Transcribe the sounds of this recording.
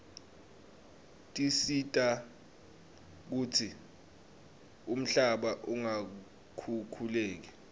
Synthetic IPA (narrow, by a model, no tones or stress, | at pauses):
tʼisitʼa | k̬uːtʰi | um̩ɬaɓaʔuŋa | kʰukʰuleːk̬i